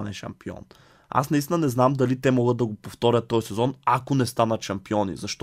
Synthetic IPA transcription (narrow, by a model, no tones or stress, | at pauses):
nɛʃɐ̰mpiɔ̰n | a̰snɐist̪inɐnɛznamd̪alit̪ɛmɔɡəd̪̚d̪ɐɡopoft̪ɔɾʲɐt̪ːɔjsɛzɔnakonɛst̪anɐt̪ʃɐmpiɔnḭzɐʃt̪